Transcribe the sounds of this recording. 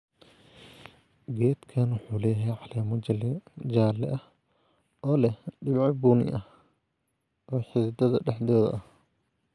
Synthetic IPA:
ɡɛːd̪kʰaːnwʊħuːlɛːjɛjʕɑlɛːmɔ | d͡ʒaːlɛʔɐh | ʔɔːlɛɖɪmʕɑbuːnɪ̰ʔɐh | ʔɔːħɪðɪd̪ɐðɐ̰ɖɛħd̪ɔːðɐ̰ʔɐh

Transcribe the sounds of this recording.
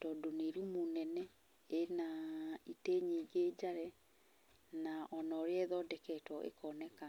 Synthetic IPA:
tɔdoneɾumonɛnɛ | enaiteɲeɡeːd͡ʑaɾɛ | naʔɔnɔɾeɛðɔdɛkɛːtwɔʔḛkʰɔnɛka

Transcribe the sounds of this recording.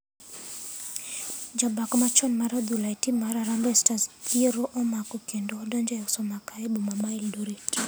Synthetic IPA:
d͡ʒabakɔmat͡ʃɔnmaɾad̪ulaitimaɾaɾambɛstaziɾɔʔɔmakukɛndɔdɔnd͡ʒɔjasɔmakaɛbumamaildɔɾit

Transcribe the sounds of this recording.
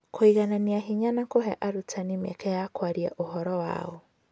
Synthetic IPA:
koiɣananiaɦiɲanakoɦɛʔaɾutʰanimɛ̰kɛjakwaɾia̰ʔohɔɾɔwa̰ɔ

